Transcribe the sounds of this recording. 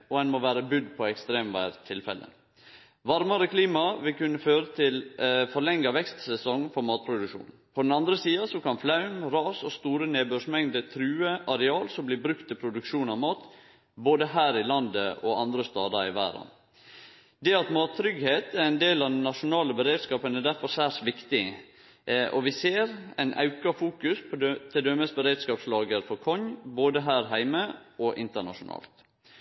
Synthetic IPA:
ɔɛnmɔʋæːɾəbʉd̪pʰɔɛkst̪ɾeːmʋæ̰ɪɾt̪ʰɪlfɛ̰lə̰ | ʋɑɾmɑɾəkʰliːmɑʋɪlkʉnːəføːɾət̪ʰɪlfɔɭɛŋːɑʋɛkst̪sɛsɔŋfɔɾmɑːt̪̚pʰɾʊd̪ʉkʂṵːn | pʰɔd̪ɛnɑnd̪ɾəsiːɑsɔkɑnflɑʉmɾɑːsɔst̪uːɾəneːbʉːʂmɛŋd̪ət̪ʰɾʉːəʔɑɾɛɑːlsɔmblɪːbɾʉkt̪ɪpʰɾʊd̪ʉkʂuːnɑʋmɑːt̪ | boːd̪əɦæːɾɪlɑnd̪əʔɔɑnd̪ɾəst̪ɑːd̪ɑɾɪ̰ʋæ̰ːɾɑ̰n | d̪ɛɑt̪mɑːt̪ʰːɾʏɡheːt̪æɾæɪnd̪eːlɑʋd̪ɛnːɑʃʊnɑːləbəɾeːd̪skɑːpənɛd̪æɾfɔɾsæːʂʋɪkt̪ɪ | ɔ̰ʋɪseːɾæ̰ɪnʔɑ̰ʉkɑfuːkʉspʰɔt̪ʰɪld̪øməsbəɾeːd̪skɑːpslɑːɡəɾfɔɾkʰɔɲboːd̪əɦæːɾɦæɪməɔʔɪnt̪əɳɑ̰ʂʊnʔɑ̰ːlt̪

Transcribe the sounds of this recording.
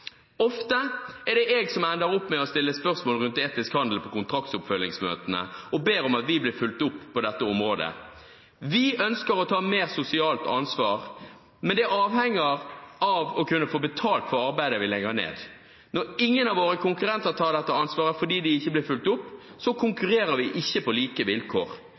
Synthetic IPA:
ɔft̪əɛʁdɖɛʔeːɡsɔmænd̪əɾɔpːmɛɔst̪ɪlːəspœʁsmoːlʁʉnt̪eːt̪ɪskhɑnd̪l̩pʰɔkʊnt̪ʰʁɑk̚t̪sʊpfœlːɪŋsmø̰ːt̪ənə̰ɔbeːɾɔmɑt̪ʋɪblɪʁfʉlt̪ʊpːɔd̪ɛt̪ːəɔmʁoːd̪ə̰ | ʋɪʔœnskəɾɔt̪ʰɑːmeːʁsʊsɪɑːlt̪ɑ̰nsʋɑːʁ | mɛnd̪ɛɑːʋhɛŋːəʁɑʋɔkʉnːəfoːbət̪ʰɑːlt̪fɔʁɑʁbæɪd̪əʋɪlɛɡənḛːd̪ | nɔɾɪŋːənɑʋoːɾəkʰʊŋkʉʁɛnt̪əʁt̪ʰɑːd̪ɛt̪ːəɑnsʋɑːʁəfɔdiːd̪ɪɪçːəblɪɾfʉlt̪ʊpːsɔkʰʊŋkʉʁeːɾəɾʋɪʔɪçːəpɔliːkəʋɪlkʰoːʁ

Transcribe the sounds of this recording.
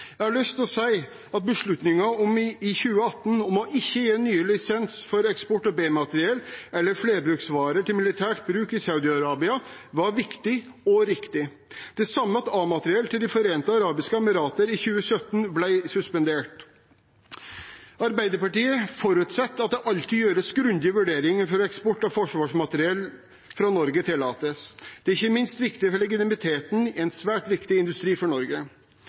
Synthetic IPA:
jæɪhɑɭœst̪ʰlsæɪ | ɑt̪̚bəʂɭʉt̪nɪŋɑɔmɪçʉːəɑt̪ːn̩ɔmɔʔɪçːəjeːnyːəlɪsɛnsfɔɾɛkspɔʈːɔbeːmɑt̪əɾɪɛlːʔɛlːəɾfleːɾbɾʉːksʋɑːɾəʈɪlmɪlɪt̪ʰæːʈbɾʉːkɪsɑʉd̪ɪɑɾɑːbɪɑʋɑɾʋɪkt̪ɪ | ɔɾɪkt̪ɪ | d̪̥ɛsɑmːəɑt̪ɑːmɑt̪əɾɪɛlt̪ʰɪld̪ɪfɔɾeːnt̪əɑɾɑːbɪskəɛmɪɾɑːt̪əɾɪçʉːəsœt̪ːənblæɪsʉspɛnd̪eːʈ | ɑɾbæɪd̪əɾpɑʈiːəfɔɾʉːt̪sɛt̪ːɑt̪̚d̪ɛʔɑlt̪ɪjøːɾəsɡɾʉnd̪ɪəʋʉɖeːɾɪŋəfɔɾɛkspɔʈːɑfɔʂʋɑːʂmɑt̪ɾɪɛl | fɾɑnɔɾɡət̪ʰɪlːɑːt̪əsd̪ɛæɾɪçːəmɪnst̪ʋɪkt̪ɪəfɔɭɛɡɪt̪ɪmɪt̪ʰeːt̪n̩ɛnsʋæːʈʋɪkt̪ɪɪnd̪ʉst̪ɾiːfɔɳɔɾɡə

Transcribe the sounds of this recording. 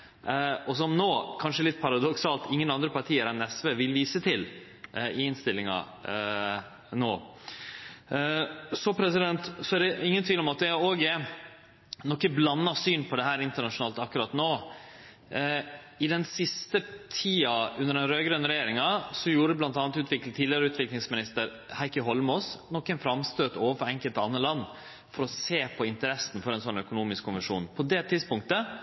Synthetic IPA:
ɔs̬ɔmnoːkʰɑnʂəɛlɪt̪ːpʰɑɾɑd̪ɔksɑːlt̪ɪŋːənɑnd̪ɾəpɑɾʈ̪ʰiːəɾɛnɛsʋeːʋɪlʋiːsət̪ʰɪl | ɪɪnst̪ɪlɪŋɑ̰ | noː | sɔpʰɾɛsɪd̪ɛnt̪sɔæɖɛɪŋːənt̪ʋiːlɔmɑt̪̚d̪ɛoːɡə | nɔkːəblɑnːɑsyːnpʰɔd̪ɛɦæːɾɪnt̪əɳɑʂʊnɑːlt̪ɑkːʉɾɑt̪noː | ɪd̪ɛnsɪst̪ət̪ʰiːɑʉnːəɖɛnɾøːɡɾœn̩ɾɛjeːɾɪŋɑsɔjuːɾəəblɑnt̪ɑːnt̪ʉːt̪ʰʋɪklt̪ʰiːlɪɾəʉːt̪ʋɪklɪŋsmɪnɪst̪əɾ | hæɪkəɦɔlmoːsnɔkːɛnfɾɑmst̪øːt̪oːʋəfɔɾɛŋkəlt̪ɑnːəlɑnː | fɔɾɔseːpʰɔɪnt̪əɾɛsn̩fɔɾɛnsɔnœkʊnuːmɪskʰːʊnʋɛʂṵːnpʰɔd̪ɛt̪ʰɪd̪spʊŋk̚t̪ə

